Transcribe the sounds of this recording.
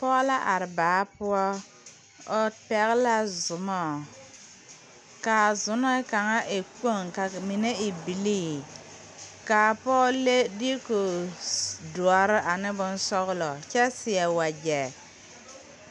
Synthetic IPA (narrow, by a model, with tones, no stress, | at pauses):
pɔ˦la˦ʔa˨ɾɪ˨baː˨˦pʊ˦ɔ˦ | ɔ˦pɛ˨ɣɪ˦la˦zʊ˨mɔ˦˨ | ka˨zʊ˨nɔ˦ka˨ŋa˦ʔɪ˨k͡po˦˨ŋka˨mi˨ne˦ɪ˨bi˨liː˦˨ | ka˨pɔː˦le˦di˦ko˨ | du˨ɔ˨ɾɪ˦ʔa˨nɪ˦bʊ˦nsɔ˦ɣlɔ˨t͡ʃɛ˦sɪ˨ɛ˨wa˨d͡ʒɛ˨